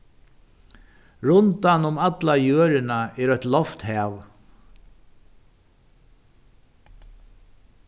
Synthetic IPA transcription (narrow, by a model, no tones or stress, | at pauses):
ɹʊnt̪anʊmat̪lajøːɾɪnaɛɾœht̪lɔft̪hɛːʋ